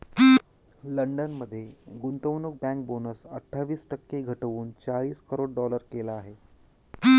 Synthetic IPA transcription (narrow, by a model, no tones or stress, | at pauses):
ləɳɖənməd̪ʱːjeɡunt̪əwnuk̚bæ̃ŋk̚bonəsəʈʰːaʋiːsʈəkːeɡʱəʈəʋuːnt͡saɭiːskəɾoɽɖɔləɾkelaːɦe